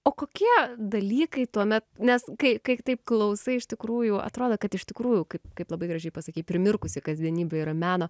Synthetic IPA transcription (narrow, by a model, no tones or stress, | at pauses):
oːkoːkʲiɛd̪ɐlʲiːkɐɪt̪uɔmʲɛt̪̚nʲɛskɐɪkɐɪt̪ɐɪp̚klˠɐʊsɐɪɪʃʲt̪ʲɪkɾuːjʊɐ̰t̪ɾoːd̪oːkɐt̪ɪʃt̪ʲɪkɾuːjʊkɐɪpkɐɪplˠɐbɐɪɡɾɐʒʲɛɪpɐsɐkʲiːt̚ʲpʲɾʲɪmʲɪrkʊsʲɪkɐzʲd̪ʲiɛnʲiːbʲɛiːɾɐmʲæːnoː